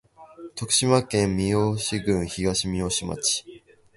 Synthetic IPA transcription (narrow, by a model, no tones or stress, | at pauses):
t̪okɯ̟̥ɕimakẽmmʲioɕiɡɯ̃ɰ̃çiɡaɕimʲioɕima̰t͡ɕi̥